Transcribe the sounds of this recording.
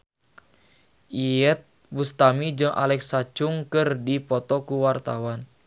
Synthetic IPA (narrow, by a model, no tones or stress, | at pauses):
ʔiɛt̪̚ | bust̪amid͡ʒɨŋʔa̰lɛksat͡ʃuŋkɨrdipɔt̪ɔkuwart̪awan